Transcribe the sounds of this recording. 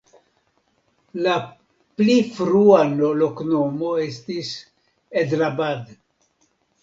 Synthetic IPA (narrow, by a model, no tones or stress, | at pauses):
la | plifɾuanolokno̞mo̞e̞stis | edɾabad